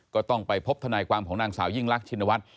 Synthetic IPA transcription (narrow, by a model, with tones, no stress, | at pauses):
kɔː˥˩t̪ɔ˥˩ŋpa˨jpʰo˦˥p̚t̪ʰa˧naː˧jkwaː˧mkʰɔː˩˦naː˧ŋsaː˩˦wji˥˩ŋlaː˦˥k̚t͡ɕʰi˧nːa˧wa˦˥t̪̚